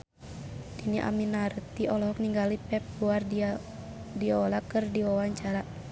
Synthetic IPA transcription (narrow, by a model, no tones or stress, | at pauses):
diniʔa̰minart̪iʔɔlɔɦɔk̚niŋɡalipɛp̚luar | diaɔlakɨrdiwawaɲt͡ʃaɾa